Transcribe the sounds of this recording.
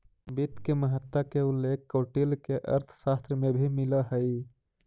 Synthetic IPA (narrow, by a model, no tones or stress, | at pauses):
bit̪keməɦət̪wakeulːekːoʈilkeʔə̰ɾt̪ʰsast̪ɾəmebʱimiləɦəj